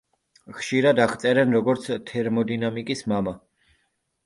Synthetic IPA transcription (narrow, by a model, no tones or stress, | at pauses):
χʃiɾad̪aχt̪sʼɛɾɛnɾɔɡɔɾt̪sʰt̪ʰɛɾmɔd̪inamikʼismama